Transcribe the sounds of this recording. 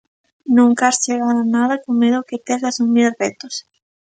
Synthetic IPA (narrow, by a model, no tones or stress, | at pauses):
nũŋkasjeɣaðonaðakoŋmeðoket̪eɾasumilret̪os